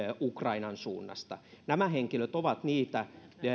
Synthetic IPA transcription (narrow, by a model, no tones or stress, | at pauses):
ukrɑinɑnsṵːnːɑ̰st̪ɑ̰næmæheŋkiløt̪oʋɑt̪niːt̪æ